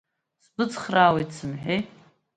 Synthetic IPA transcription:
sbɨt͡sχraːwejtʰsɨmħᶣej

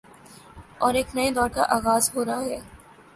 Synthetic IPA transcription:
ɔːɾeːknɐed̪ɔːɾka̰ʔaːɣaːzɦoːɾaaɦɛː

